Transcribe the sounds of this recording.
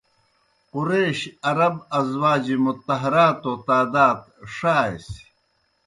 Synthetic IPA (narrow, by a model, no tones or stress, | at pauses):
quɾeːɕɐɾɐbɐzwaːd͡ʑimut̪ːɐɦɐɾaːt̪ot̪aːd̪aːt̪ʂaːḛsi̥